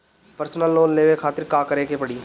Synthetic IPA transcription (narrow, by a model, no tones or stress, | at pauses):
pəɾsnəlːoːnleːʋekʰaːt̪ɪɾkaːkəɾeːkepəɽiː